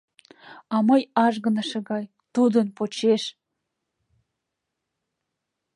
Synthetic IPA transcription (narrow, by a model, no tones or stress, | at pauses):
ɑmɤjɑʒɣə̆nə̆ʃĕɡɑj | t̪ud̪ə̆npot͡ɕeʃ